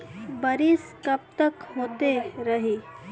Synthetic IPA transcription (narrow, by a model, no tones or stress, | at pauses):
bəɾiskɐp̚t̪əkɦoːt̪eɾəɦi